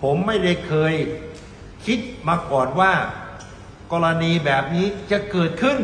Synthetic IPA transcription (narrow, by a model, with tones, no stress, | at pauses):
pʰo˩˦mːa˥˩jda˥˩jkʰɤː˧j | kʰi˦˥t̪̚maː˧kɔː˨˩nwaː˥˩ | kɔː˧ɾa˧niː˧bɛː˨˩p̚niː˦˥t͡ɕa˨˩kɤː˨˩t̪̚kʰɯ˥˩n